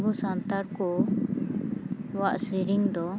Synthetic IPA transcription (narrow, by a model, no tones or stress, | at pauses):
busant̪aɾkɔ | waʔsiɾiŋd̪ɔ